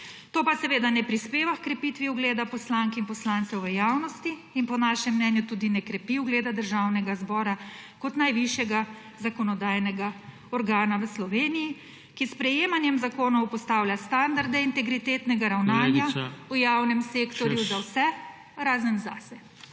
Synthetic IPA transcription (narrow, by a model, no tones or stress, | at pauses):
t̪oːpasɛʋeːd̪anɛpɾispeːʋaxkɾɛpit̪ʋiuɡleːd̪apɔslaːŋkinpɔslant̪sɛwʋəjaːwnɔst̪iːnpɔnaːʃɛmːnɛnjut̪ud̪inɛkɾɛpiwɡleːd̪ad̪əɾʒaːwnɛɡazbɔːɾakɔt̪najʋiʃjɛɡa | zakɔnɔd̪aːjnɛɡa | ɔɾɡaːnaʋəslɔʋeːniji | kispɾɛjeːmanjɛmzakoːnɔwpɔst̪aːwlʲjast̪and̪aɾd̪ɛint̪ɛɡɾit̪eːt̪nɛɡaɾawnaːnjaujawnɛmseːkt̪ɔɾjuzawsɛ | ɾaːzənza̰sɛ